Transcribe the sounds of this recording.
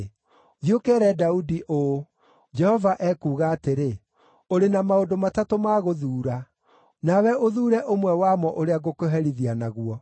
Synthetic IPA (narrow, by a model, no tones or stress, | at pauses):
ðiokɛɾɛdaudiʔo | d͡ʒɛhɔvaʔɛkuːɣaːteɾe | oɾenamaodomatatomaɣoðuːɾa | nawɛʔoðuːɾɛʔomwɛwamɔʔoɾeaɣokoɦɛɾiðianaɣuɔ